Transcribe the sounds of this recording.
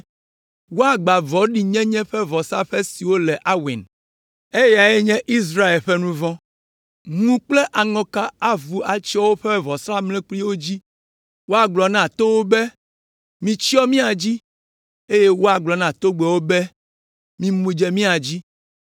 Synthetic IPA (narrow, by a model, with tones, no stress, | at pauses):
wo˦a˨ɡ͡ba˨vɔ˨˦ɖi˨ɲɛ̃˦ɲɛ̃˦ɸɛ˦vɔ˨sa˦ɸɛ˦si˨wo˦lɛ˨ʔa˦wḭ˨n | e˦ja˨ɛ˦ɲɛ̃˦ʔi˦s̬ɾa˦e˨lɸɛ˦nũ˦vɔ̃˦ | ŋũ˦k͡plɛ˦ʔa˨ŋɔ̃˨ka˦a˦vu˨a˨t͡ʃi˦ɔ˦wo˦ɸɛ˦vɔ˨sɾa˦mlɛ̃˦k͡pli˦wo˦d͡ʑi˦ | wo˦a˨ɡ͡blɔ˨nã˦˨t̪o˦wo˦bɛ˦ | mĩ˨t͡ɕi˦ɔ˦mĩ˦a˨d͡ʑi˦ | e˦je˦wo˦a˨ɡ͡blɔ˨nã˨t̪o˦ɡ͡bɛ˨wo˦bɛ˦ | mĩ˦mũ˦d͡ʒɛ˦mĩ˦a˨d͡ʑi˦